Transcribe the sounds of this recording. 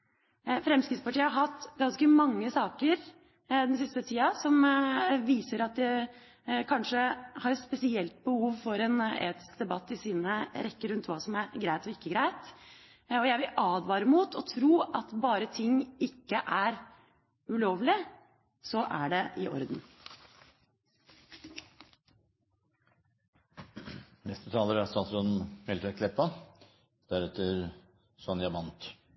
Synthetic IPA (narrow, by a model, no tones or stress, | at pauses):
fɾɛmskɾɪt̪spɑʈʰiːəhɑɾɦɑt̪ːɡɑnskəmɑŋːəsɑːkəɾ | d̪ɛns̬ɪst̪ət̪ʰiːɑsɔmʋiːsəɾɑt̪̚d̪ɛ | kʰɑnʂəhɑɾspɛsɪɛlt̪̚bəhuːʋfɔɾɛnḛːt̪ɪ̥skd̪ɛbɑt̪ːɪsiːnəɾɛkːəɾʉnt̪ʋɑːsɔmæɾɡɾæɪt̪ɔɪkːəɡɾæɪt̪ | ɔjæɪʋɪlʔɑːd̪ʋɑːɾəmuːt̪ʰɔt̪ʰɾuːʔɑt̪bɑːɾət̪ʰɪŋːɪkːəʔæɾ | ʉloːʋlɪ | sɔʔæɖɛʔɪʔɔ̰ɾd̪n | nɛst̪ət̪ʰɑːləɾæsɑt̪ɾɔnmɛlt̪ʰɛkʰlɛpːɑ | d̪̥æɾɛt̪ʰːəɾ | sɔnjɑmɑnt̪